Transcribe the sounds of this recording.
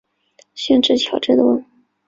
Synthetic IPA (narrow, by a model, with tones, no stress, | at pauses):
ɕɥɛ˥˧nʈ͡ʂɻ̩˥˩t͡ɕʰjɑ˨˩ʊʈ͡ʂɻ̩˥˩d̪ə˨wə˥˩ŋ